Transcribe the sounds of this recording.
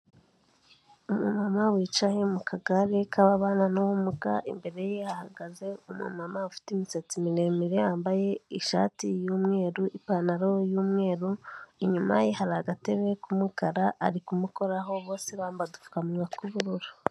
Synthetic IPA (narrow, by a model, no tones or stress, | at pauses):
umṵmamawiːt͡ʃahemukʰaɡaɾekʰaβaβaːnanuwumukaʔḭmbe̞ɾe̞jehahaɡaze̞umṵmamaufi̥timiset͡simiɾe̞miɾejaːmbaje̞iʃa̰ːtijuːmŋe̞ːɾuʔipanaɾojuːmŋe̞ːɾuiɲuma̰jihaɾaɡateβe̞kumukaɾaʔa̰ɾikumuko̞ɾaɦo̞βo̞ːsiβaːmbadufu̥kamuɡakuɾuɾuɾa